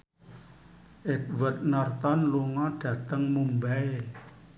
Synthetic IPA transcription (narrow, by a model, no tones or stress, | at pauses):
ʔɪt̪̚wət̪̚nɔrt̪ɔnluŋɔɖ̥ä̤t̪əŋmumbae